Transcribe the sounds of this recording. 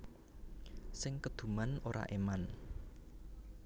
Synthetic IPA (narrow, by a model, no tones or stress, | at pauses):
sɪŋkəd̪̥ṳmanoɾa̰ʔeman